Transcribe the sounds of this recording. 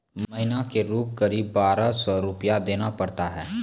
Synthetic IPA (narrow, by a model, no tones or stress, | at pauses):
mɐɦɪnakeɾuːp̚kɐɾiːbːaːɾasɔɾʊpijad̪eːnapɐɽt̪aɦɛː